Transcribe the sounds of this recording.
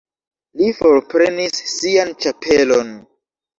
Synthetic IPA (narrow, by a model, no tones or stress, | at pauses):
lifoɾpɾenisːiant͡ʃapʰelo̞n